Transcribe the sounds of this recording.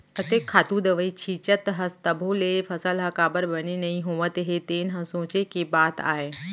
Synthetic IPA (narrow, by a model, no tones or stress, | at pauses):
ɐt̪eːkʰːaːt̪ũd̪əʋəit͡ɕʰiːt͡ʃət̪ɦɐst̪əbʱulefʰɐsəlɦɐkaːbəɾbɐninɐĩɦũːʋət̪eɦet̪eːnɦɐ̃sõːt͡ʃekebaːt̪a̰ːɦeː